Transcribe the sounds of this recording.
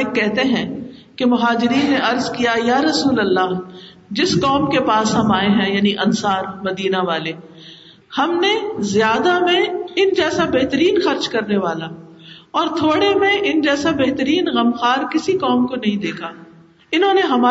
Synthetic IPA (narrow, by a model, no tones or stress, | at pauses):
ɪkːɛɦt̪eɦɛ̃ːkemʊɦaːd͡ʒɪɾiːnːeɐɾzkijajaːɾɐsuːlɐlːaː | d͡ʒɪskɔːmkepaːsɦɐmaːeɦɛ̃jaːniʔɐnsaːɾmɐd̪iːnaʋaːle | hɐmnezjaːd̪amẽɪnd͡ʒɛːsabeɦt̪əɾiːnxɐɾd͡ʒkɐɾneʋaːla | ɔːɾt̪ʰoːɽemẽʔɪnd͡ʒɛːsabeɦt̪əɾiːnɣɐmxaːɾkɪsikɔːmkonɐɦĩd̪eːkʰaː | ɪnɦõːneɦɐmaː